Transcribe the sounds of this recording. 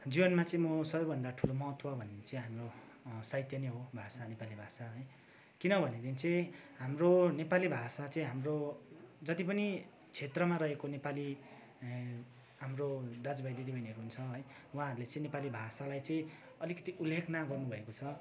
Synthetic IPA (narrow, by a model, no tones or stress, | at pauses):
d͡zibʌnmat͡sʌĩmʌsʌbʌjbʱʌnd̪aʈʰulomʌɦʌt̪wʌbʱʌned̪int͡sʌĩɦamro | sajt̪jʌniɦobʱasanepalibʱasaɦʌj | kinʌbʱʌned̪int͡sʌ̃ɦamronepalibʱasat͡sʌ̃ĩɦamrod͡zʌt̪ipʌni | t͡sʰet̪rʌmaɾʌɦekonepali | ɦamrod̪ad͡zbajd̪id̪ibʱʌjnɦʌɾuɦunt͡sʰʌɦʌj | wɦãɦʌɾulet͡sʌ̃ĩnepalibʱasalajt͡sʌĩ | ʌlikʌ̥t̪iʔulːekʰnaɡʌrnubʱʌekot͡sʰʌ